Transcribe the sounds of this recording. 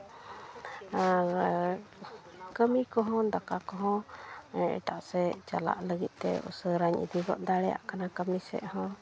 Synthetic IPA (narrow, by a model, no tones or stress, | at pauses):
a | kəmikɔɦɔ̃d̪akakɔɦɔ̃ | ɛ̰ʈaʔsɛt͡ʃala̰ʔləɡit̪̚ˀt̪ɛ̰ṵsəɾaɲḭd̪iɡɔʔd̪aɽɛja̰ʔkanakəmisɛ̰ʔhɔ̃